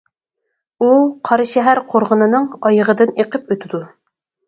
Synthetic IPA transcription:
uqʰɑɾɨʃɛɦæɾqʰoɾʁənɨnɨŋɑjəʁəd̪ɨneqʰəpøt̪ʰɪd̪u

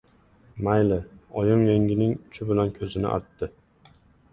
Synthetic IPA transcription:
majlɪɒjɪmjeŋʲɪnɪŋʊt͡ʃʰʊbɪlankʲʰɵzɪnɪ̰ʔa̰ɾt̪ːɪ

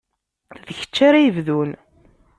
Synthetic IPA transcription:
ðəçə̥t͡ʃːaɾæjəvðun

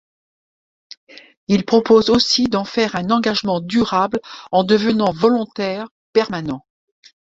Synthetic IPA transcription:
ilpχɔpozosid̪ɑ̃fɛʁɛ̃nɑ̃ɡaʒmɑ̃d̪yʁablɑ̃d̪əvənɑ̃vɔlɔ̃t̪ɛʁ | pɛʁmanɑ̃

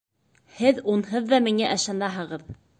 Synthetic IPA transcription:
hɘðunɦɤðːɑmiŋæʔɘ̆ʃɑnɑɦɤ̆ʁɤ̆ð

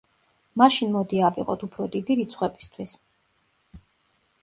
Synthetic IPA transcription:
maʃinmɔd̪iavḭʁʼɔ̰t̪ʰupʰɾɔd̪id̪iɾit̪sʰχwɛbist̪ʰwis

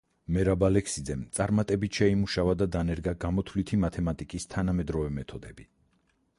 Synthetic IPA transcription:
mɛɾabalɛkʰsid̪zɛmt̪sʼaɾmat̪ʼɛbit̪ʃɛimuʃavad̪ad̪anɛɾɡaɡamɔt̪ʰlit̪ʰimat̪ʰɛmat̪ʼikʼist̪ʰanamɛd̪ɾɔvɛmɛt̪ʰɔd̪ɛbi

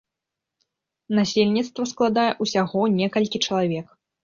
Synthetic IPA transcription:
nasʲelʲnʲit̪st̪vɐsklˠad̪ajɛʔusʲaɣɔnʲɛkɐlʲkʲit͡ʂɐlˠavʲɛk

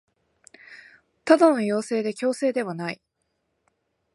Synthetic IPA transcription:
t̪ad̪ono̞jo̞ːse̞ːd̪e̞kʲo̞ːse̞ːd̪e̞βanai

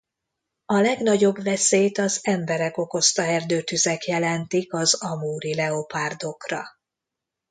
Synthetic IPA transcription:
ɒlɛɡnɒɟo̞bʋɛseːt̪ɒzɛmbɛɾɛko̞ko̞st̪ɒɦɛrd̪øːt̪yzɛkjɛlɛnt̪ikɒzɒmuːɾilɛopaːrd̪o̞krɒ

